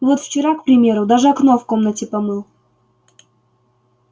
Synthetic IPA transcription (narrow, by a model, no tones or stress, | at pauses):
vot̪ft͡ɕɪɾakpɾʲɪmʲe̞ɾʊd̪aʐɨɐknofko̞mnətʲɪpɐmɨlˠ